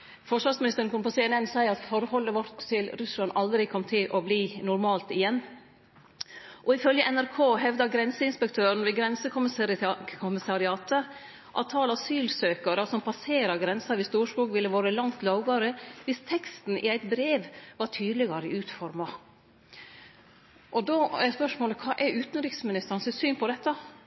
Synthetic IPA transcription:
fɔʂʋɑɾsmɪnɪst̪əɾnkʊnpɔseːɛnɛnsæɪɑt̪fɔɾhɔlːəʋɔɾt̪ʰːɪlɾʉslɑnɑld̪ɾɪkʰɔmːt̪ʰɪlʔɔbliːnʊɾmɑːlt̪ɪjɛnː | ʔɔɪfœljəʔɛnæɾkʰoːɦɛʋd̪ɑɡɾɛnsəɪnspɛkt̪ʰøːɾɳ̩ʋɛɡɾɛnsəkʰʊmkʰʊmɪsɑɾɪɑːt̪ə | ʔɑ̰ʋt̪ʰɑːlɑsyːlsøːkɑɾəsɔmpʰɑseːɾɑɡɾɛnsɑɾɪst̪uːʂkuːkʋɪlːəʋoːɾəlɑŋt̪lɑʊɡɑɾəʋɪst̪ʰɛkst̪n̩ʔɪ̰æɪt̪bɾeːʋʋɑʈʰyːd̪lɪɡɑɾəɪʉːt̪fɔɾmɑ | ʔɔd̪oːɛspœʂmoːləkʰɑːʔɛɾʉːt̪nɾɪksmɪnɪst̪əɾɑnsɪsyːnpɔd̪ɛt̪ːə

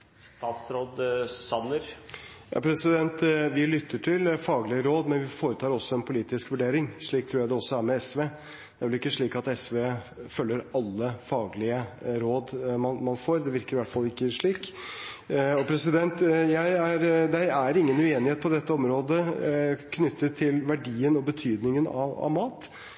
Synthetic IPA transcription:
t̪ɑːt̪sɾoːd̪sɑnːəɾjɑ̰ːpʰɾɛsɪd̪ɛnt̪ʋɪlʏt̪ʰːəʈʰɪlfɑːɡlɪəɾoːd̪mɛnʋɪfoːɾət̪ʰɑːɾɔsːɔɛnpʰʊliːt̪ɪskʋʉɖeːɾɪŋʂɭiːk̚t̪ʰɾuːjæɪd̪ɛɔsːɔæɾmɛɛsʋeː | d̪̥ɛʋɛlɪkːəʂɭiːkɑt̪ɛsʋeːfœlːəɾɑlːəfɑːɡlɪəɾoːd̪mɑnmɑnfoːɾd̪ɛʋɪɾkəɾɪʋæʈfɑlːɪkːəʂɭiːk | ɔpʰɾɛsɪd̪ɛnt̪jæɪæɾd̪ɛɪæɾɪŋːənʉːeːnɪheːt̪̚pʰɔd̪ɛt̪ːəɔmɾoːd̪əkʰnʏt̪ːət̪ʰɪlʋæɖiːənɔbət̪ʰyːd̪nɪŋənɑ̰ɑ̰ʋmɑːt̪

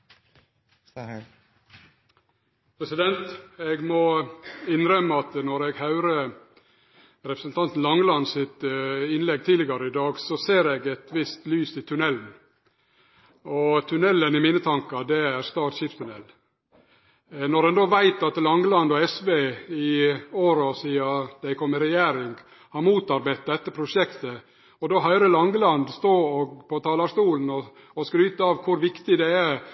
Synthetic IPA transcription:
pʰɾɛsɪd̪ɛnt̪eɡmɔɪnɾœmːəɑt̪nɔɾɛɡhɑʉɾə | ɾɛpɾəsənt̪ʰɑnt̪n̩lɑŋːlɑnsɪt̪ɪnlɛɡ̚t̪ʰiːlɪɡɑɾəɪd̪ɑːɡsɔseːɾɛɡɛt̪ʋɪst̪lyːsɪt̪ʰʉnɛln̩ | ɔt̪ʰʉnɛlːənɪmiːnət̪ʰɑŋkɑd̪ɛæɾst̪ɑːʈʃɪfst̪ʉnɛ̰l | nɔɾɛnd̪oːʋæɪt̪ɑt̪lɑŋɡəlɑnd̪ɔɛsʋeɪoːɾɔsiːɑd̪̥æɪkʰɔmːɪɾɛjæːɾɪŋɡ | hɑɾmuːt̪ɑɾbæɪt̪̚d̪ɛt̪ːəpʰɾʊʂɛkt̪ə | ɔd̪oːɦœʏɾəlɑŋɡəlɑnd̪st̪oːɔɡpʰɔt̪ʰɑːlɑʂt̪uːlnɔ | ɔskɾyːt̪əɑːʋkʰʊɾʋɪkt̪ɪd̪ɛæ

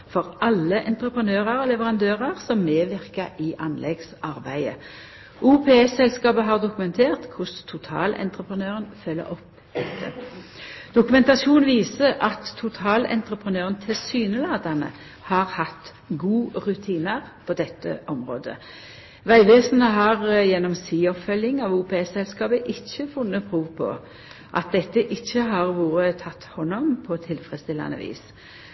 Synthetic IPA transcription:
fɔʁʔɑlːəʔɛnt̪ʁəpʁənøːʁɑʁoːlɛʋəʁɑnd̪øːʁɑʁsɔmːeːʋɪʁkəɪʔɑnlɛɡsɑʁbæɪə̰ | ʔuːpʰeːɛsɛlskɑːbəɦɑːʁd̪ʊkʉmɛnt̪ʰeːʁt̪kʰʊst̪ʰʊt̪ʰɑ̰ːlɛ̰nt̪ʁəpʁənøːʁənfœlːə̰ʁɔp | d̪ɛt̪ʰːə̰ | d̪̥ʊkʉmɛnt̪ɑsuːnʋiːsəʔɑt̪ʰːʊt̪ʰɑːlɛ̰nt̪ʁəpʰʁənøːʁənt̪ʰɪlsyːnəlɑːd̪ɑnə̰ | hɑːʁhɑt̪ː | ɡuːʁʉt̪ʰiːnəʁpʰɔd̪ɛt̪ːə̰ʔɔmʁo̰ːd̪ə̰ | ʋæɪʋeːsnəɦɑʁjɛnːɔmsiːɔpfœljɪŋɑʋuːpʰeɛsɛlskɑːbəʔɪçːəfʊnːəpʰʁuːʋpʰɔ̰ | ʔɑ̰t̪̚d̪ɛt̪ːəʔɪçːəɦɑʁʋuːʁət̪ʰɑt̪ːhɔnːɔmpʰɔt̪ʰɪlfʁɛst̪ɪlːɑ̰nə̰ʋḭːs

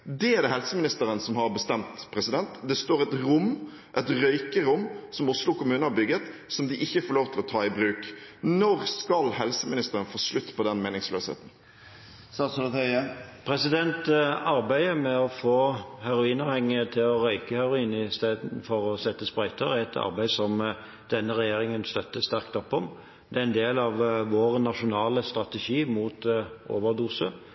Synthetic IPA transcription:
d̪ɛæd̪ɛhɛlsəmɪnɪst̪əɾənsɔmhɑɾbəst̪ɛmt̪pʰɾɛsɪd̪ɛnt̪d̪ɛst̪oːɾɛt̪ɾʊm | ʔɛt̪ɾœʏkəɾʊmːsɔmɔslɔkʰʊmʉːnəhɑbʏɡət̪sɔmd̪ɪʔɪçːəfoːloːʋt̪ʰɪlɔt̪ʰɑːɪbɾʉːknɔɾskɑlhɛlsəmɪnɪst̪əɾənfoːslʉt̪ːpʰɔd̪ɛnmeːnɪŋslø̰ːshḛːt̪n̩ | sɑst̪pʰɾɛsɪd̪ɛnt̪ɑɾbæɪəmɛɔfoːhæɾʊiːnɑːʋhɛŋːɪət̪ʰɪlɔɾœʏkəhæʁʊiːnəɪst̪eːd̪n̩fɔʁɔsɛt̪ːəspʁæɪt̪ʰəʁæt̪ʰɑ̰ʁbæɪsɔm | d̪̥ɛnːəʁɛjeːɾɪŋənst̪œt̪ːəst̪æʁkt̪ɔpːɔm | d̪ɛæɛnd̪eːlɑʋʋoːʁnɑʂʊnɑːləst̪ɾɑt̪ɛʃiːmuːt̪ʔo̰ːʋəʁd̪uːsə

